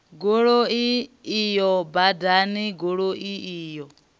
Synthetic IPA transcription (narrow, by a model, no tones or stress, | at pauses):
ɡoɺoiːjɔbadaniɡoɺoʔiiːjɔ